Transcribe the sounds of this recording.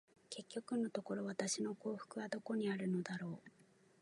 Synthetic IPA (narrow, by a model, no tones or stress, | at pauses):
ke̞kʲːo̞kɯ̟no̞t̪o̞ko̞ɾo̞βat̪aɕino̞ko̞ːɸɯ̟̥kɯ̟βad̪o̞ko̞ɲ̟iaɾɯ̟no̞d̪aɾo̞ː